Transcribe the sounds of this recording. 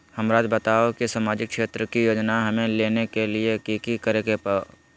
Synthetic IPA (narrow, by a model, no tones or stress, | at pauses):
hɐmɾaːd͡ʒbət̪aːokesaːmaːd͡ʒɪk̚ʃeːt̪ɾəkijoːd͡ʒnaɦɐmẽleːnekeliekiːkikəɾeːɡepa